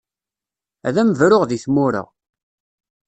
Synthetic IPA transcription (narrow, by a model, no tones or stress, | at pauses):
æðæməvɾʊʁðiθmʊɾə̰ʁ